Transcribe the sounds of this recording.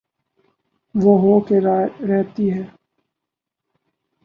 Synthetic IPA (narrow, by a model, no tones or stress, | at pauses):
ʋoɦoːkeɾɾɛɦt̪iɦɛː